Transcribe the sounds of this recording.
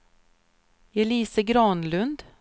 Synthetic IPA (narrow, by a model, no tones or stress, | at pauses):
ɛliːsəɡɾɑːnlɵnd̪